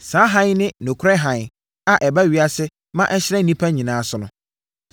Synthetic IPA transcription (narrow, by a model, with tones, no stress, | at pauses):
sãː˨˦ɦã˦jnɪ̃˦nʊ̃˨kʰɾɛ˦ɦã˨ | a˨ʔɛ˨ba˦ɥi˦a˦sɪ˦ | mã˦ʔɛ˦ɕɪ˦ɾɛ˦˨nĩ˦pʰa˦ɲĩ˨nãː˨˦sʊ˨nʊ̰̃˨